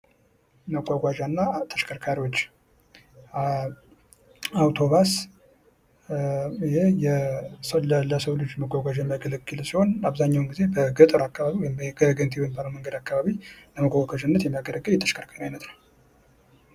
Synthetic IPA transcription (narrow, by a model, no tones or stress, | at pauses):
məɡʷaɡʷaʒanːat̪ʰə̥ʃkʰəɾkʰaɾio̞t͡ʃː | awt̪ʰo̞βas | hejɛsələləsəwlɨd͡ʒməɡʷaɡʷaʒaməɡələɡɨlsiho̞naβzaɲːawnɡize̞bəɡɨt̪ʼɨɾakːaβaβiwɔjmbɡəɡənt̪ʰewojmbələməŋɡəd̪akːaβaβiləməɡʷaɡʷaʒɨnːət̪jɛmːijaɡələɡʼəjɛt̪ʰə̥ʃkʰəɾkʰaɲajnət̪nəw